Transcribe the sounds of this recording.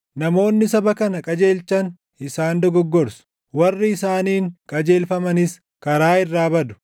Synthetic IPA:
nɐmo̞ːnːɪsɐbɐkɐnɐkʼɐd͡ʒe̞ːlt͡ʃɐn | ɪsaːnd̪ɔɡɔɡːɔɾsʊ̥ | wɐrːɪɪsaːniːŋkʼɐd͡ʒeːlfɐmɐnɪs | kɐɾaːɪrːaːbɐd̪ʊ̥

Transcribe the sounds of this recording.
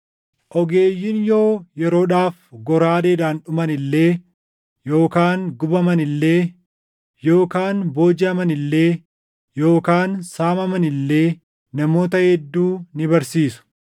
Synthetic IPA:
ʔɔɡe̞ːjːɪnjo̞ːjɛɾo̞ːᶑaːfɡɔɾaːd̪eːd̪aːnᶑʊmɐnɪlːe̞ː | jo̞ːkaːnɡʊbɐmɐnɪlːe̞ː | jo̞ːkaːnbo̞ːd͡ʒɪɐmɐnɪlːe̞ː | jo̞ːkaːnsaːmɐmɐnɪlːe̞ː | nɐmo̞ːt̪ɐhɛd̪ːuːnɪbɐɾsiːsʊ̥

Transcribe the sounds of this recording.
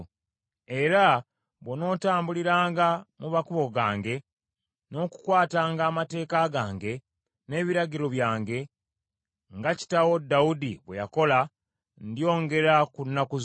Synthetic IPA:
e̞ɾa | βwono̞ːtaːmbuliɾaːŋɡamumakuβo̞ɡaːŋɡe̞ | no̞ku̥kwaːtaːŋɡaːmate̞ːkaɡaːŋɡe̞ | ne̞ːβiɾaɟiɾo̞βjaːŋɡe̞ | ŋɡaci̥tawodːaudiβwe̞̰jako̞la | ndio̞ːŋɡe̞ɾakunːakuz

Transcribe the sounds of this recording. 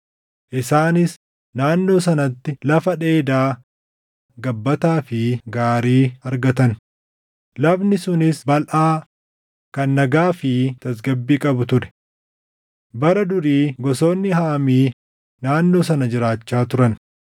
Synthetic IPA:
ʔɪsaːnɪs | naːnːo̞ːs̬ɐnɐt̪ːɪlɐfɐᶑe̞ːd̪aː | ɡɐbːɐt̪aːfɪɡaːɾiːɐɾɡɐt̪ɐn | lɐbnɪsʊnɪsbɐlʔaː | kɐnːɐɡaːfɪt̪ɐs̬ɡɐbːiːkʼɐbʊt̪ʊɾɛ̥ | bɐɾɐd̪ʊɾiːɡɔso̞ːnːɪhaːmiː | naːnːo̞ːsɐnɐd͡ʒɪɾaːt͡ʃːaːt̪ʊɾɐn

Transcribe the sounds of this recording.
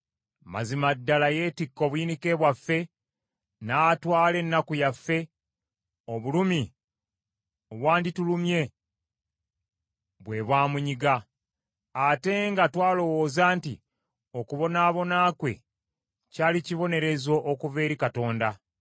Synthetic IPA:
ma̰zimadːalaje̞tikːo̞βujinike̞βwafːe̞ | natwaːle̞nːakujafːe̞ | o̞βulumi | oβwaːnditulumje̞ | βwe̞βwaːmuɲiɡa | ate̞ŋɡatwaːlo̞wo̞ːzaːnti | o̞kuβo̞naːβo̞naːkwe̞ | caːliciβo̞ne̞ɾe̞zo̞ʔːkuve̞ːɾikato̞ːnda

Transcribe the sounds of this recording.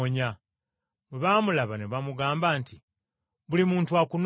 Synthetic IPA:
ɲa | weβamulaβaneβamuɡaːmbaːnti | βulimuːntuakun

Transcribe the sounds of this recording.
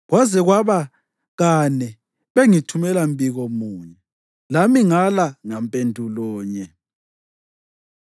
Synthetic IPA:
ɣwazɛɣwaβa | ɣanɛ | βeŋitʰumɛlambiɣomuːɲɛ | lamiŋalaŋampʼendʱulɔːɲɛ

